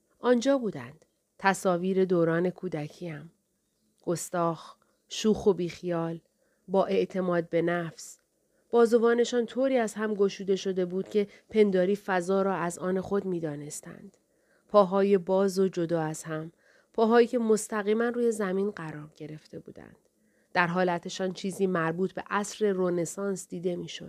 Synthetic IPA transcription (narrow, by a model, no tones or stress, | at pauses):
ʔɒːnd͡ʒɒːbuːd̪æ̰nd̪̥ | t̪ʰæsɒːviːɾe̞d̪oːɾɒːne̞kʰuːd̪æcʰiːæm | ɡ̥o̞st̪ɒːx | ʃuːxobiːxijɒːl | bɒːʔe̞ʔt̪ʰe̞mɒːd̪̚be̞næfs | b̥ɒːzovɒːne̞ʃɒːnt̪ʰoːɾiːæz̥hæmɡo̞ʃuːd̪e̞ʃo̞d̪e̞buːd̪̥cʰe̞pʰe̞nd̪ɒːɾiːfæzɒːɾɒːæzɒːne̞xo̞d̪miːd̪ɒːne̞st̪æ̰nd̪̥ | pʰɒːɦɒːje̞bɒːzod͡ʒo̞d̪ɒːæz̥hæm | pʰɒːɦɒːiːkcʰe̞mo̞st̪æɣiːmænruːje̞zæmiːnɢæɾɒːɾɟe̞ɾe̞ft̪ʰe̞bṵːd̪æ̰nd̪̥ | d̪̥æɾɦɒːlæt̪ʰe̞ʃɒːnt͡ʃʰiːziːmæɾbuːt̪ʰbe̞ʔæsɾe̞rone̞sɒːnsd̪̥iːd̪e̞miːʃo̰d̥̪